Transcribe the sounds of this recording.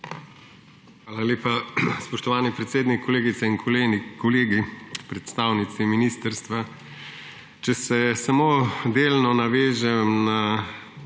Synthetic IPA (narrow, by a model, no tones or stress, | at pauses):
xʋaːlaleːpaspɔʃt̪ɔʋaːnipɾɛt̪seːd̪nikʰːɔleːɡit̪sɛinkʰɔleːnikɔleːɡipɾɛt̪st̪aːwnit̪siminiːst̪əɾst̪ʋa | t͡ʃɛsɛsamoːd̪eːlnɔnaʋeːʒɛmna